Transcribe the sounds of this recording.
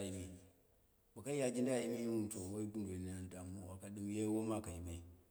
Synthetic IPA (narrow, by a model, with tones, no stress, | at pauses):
i˨mi˨ | ba˨ka˦ja˦d͡ʒi˦nda˦˨i˦me˦jwu˦m˨to˨wo˦i˦bu˦ndo˨li˨na˦a˦˨da˨mu˦˨a˨ka˨di˦m˦je˦wo˦ma˦ka˨ji˨ma˦i˨